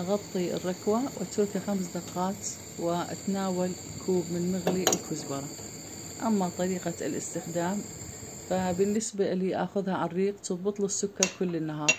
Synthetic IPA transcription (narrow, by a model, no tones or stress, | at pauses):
ʔaɣɑt̪ˤːiɪ̰rːɑkwawʔɪ̰t̪ʊɾkaxamsd̪ɑqːɑːt̪ | wɪʔa̰t̪naːwal | kʰuːbmɪnmɪɣliʔɪlkʰʊzbɑɾˤɑ | ʔamːat̪ˤɑɾiːqa̰lʔɪ̰st̪ɪxd̪aːm | fabɪnːɪsbaliʔa̰xʊðhaʕarˤːiːqt̪ɨðˤbɨt̪ˤlusːʊkːɑɾˤkʊlːɪnːaɦɑːɾˤ